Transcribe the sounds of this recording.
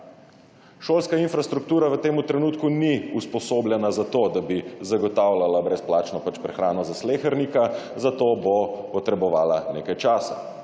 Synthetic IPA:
ʃoːlskainfɾast̪ɾukt̪uːɾaʋət̪eːmut̪ɾɛnuːt̪kuniuspɔsoːblʲjɛnazat̪oːd̪abizaɡɔt̪aːwlalabɾɛsplaːt͡ʃnɔpat͡ʃpɾɛxɾaːnɔzasleːxəɾnikazat̪oːbopɔt̪ɾɛbɔʋaːlaneːkajt͡ʃaːsa̰

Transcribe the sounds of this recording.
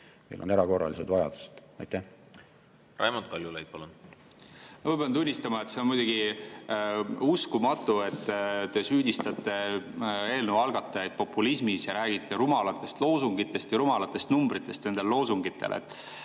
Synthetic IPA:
mejlʔoneɾɑko̞rːɑ̰lised̪vɑjɑ̰d̪̥u̥se̥t̪ɑjt̪ːæ | rɑ̰jmot̪̚kɑlʲjulejt̪̚pɑlun | mɑvɤbent̪̬unʲːist̪ɑmɑet̪se̞onmujd̪uɡ̥i | uskumɑt̪ːˑue̞t̪ːt̪ːe̞syːd̪ʲist̪ɑt̪ːˑe̞ | e̞ːlnəwɑlɡ̥ɑt̪ˑːeet̪̚po̞pːˑulismisjɑɾæːɡit̪ːˑeɾumɑlɑt̪ːˑe̞st̪lo̞ːsuŋɡit̪ːˑe̞st̪jɑɾumɑlɑt̪ːˑe̞st̪numbɾit̪ːˑe̞st̪ne̞nd̪e̞llo̞ːsuŋɡit̪ʰˑːe̞̰lḛt̪ːˑ

